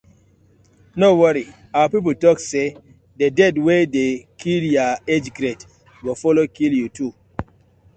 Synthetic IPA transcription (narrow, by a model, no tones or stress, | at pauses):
nowəɾi | awapip̬utɔkse | dedɛdwedekʰiljaed͡ʒɡɾet | wifɔlokiljutʰu